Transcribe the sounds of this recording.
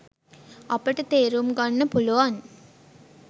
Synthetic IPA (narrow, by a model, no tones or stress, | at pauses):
apəʈət̪eːɾumɡanːəpuluʋaŋ